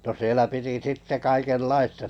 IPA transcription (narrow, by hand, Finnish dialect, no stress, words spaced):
no sielæ piti sitːe kɑikelːɑistɑ